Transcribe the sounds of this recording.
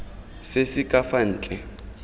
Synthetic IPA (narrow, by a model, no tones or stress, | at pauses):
sesɪkʼafan̩ːt͡ɬʼɛ